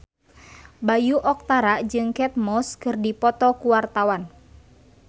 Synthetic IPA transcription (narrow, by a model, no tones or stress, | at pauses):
bajuʔɔk̚t̪aɾaʔd͡ʒɨŋkɛt̪̚mɔskɨrdipɔt̪ɔkuwart̪awan